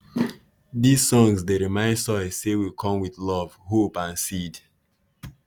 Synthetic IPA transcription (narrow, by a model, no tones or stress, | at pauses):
dizsɔ̃ŋsdeɹimãɪ̃nsɔsewikʰɔ̃mwiðlɔv̥hopãnsid